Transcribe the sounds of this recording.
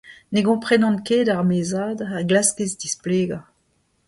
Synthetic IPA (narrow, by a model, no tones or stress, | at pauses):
neɡɔ̃pχɛnɑ̃nkeːdaʁmeːzaːdaʁɡlaskezdispleːɡa